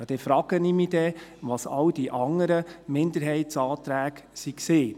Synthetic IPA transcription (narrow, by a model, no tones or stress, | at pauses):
jɑd̥ɛfɾɑːɡ̥ənimid̥ɛʋɑsɑ̰wd̥iʔɑŋəɾəmɪnd̪əɾɦɛɪtsɑːt̪ɾæːɡsiksɪː